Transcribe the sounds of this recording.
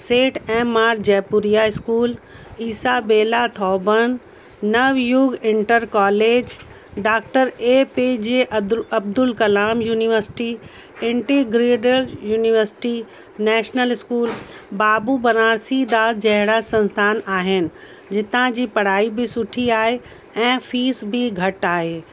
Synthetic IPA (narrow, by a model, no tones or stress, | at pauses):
seːʈɛ̃ːmaːɾd͡ʑɛːpʊɾijaɪskuːliːsabeːlat̪ʰɔːbəñ | nɐʋjʊɡɪ̃ɳʈəɾkaːleːd͡ʑ | ɖaːk̚ʈəɾeːped͡ʑeːʔɐb̚d̪ʊlkɐlaːmjuːnɪʋəɾsɪ̥ʈi | ɪ̃ɳʈiɡɾiːɖəljuːnɪʋəɾsɪ̥ʈi | nɛːʃnəlɪskuːlbaːbubɐnaːɾsid̪aːd̪̚d͡ʑɐɦɪɽasɐ̃nst̪ʰaːnaːɦɪnɪ̆ | d͡ʑɪt̪ãd͡ʑiːpɐɽ̤aːibʱisʊʈʰiaːɦe | ɛ̃ːfʰiːsbʱiɡʱɐʈaːɦeː